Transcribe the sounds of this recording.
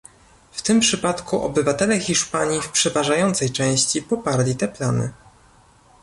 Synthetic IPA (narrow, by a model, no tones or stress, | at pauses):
ft̪ɘmpʂɘpat̪kuʔɔ̰bɘvat̪ɛlɛxʲiʂpaɲifpʂɛvaʐajɔnt̪sɛjt͡ʂɛ̃w̃ɕt͡ɕipɔpaɾlʲit̪ɛplanɘ̰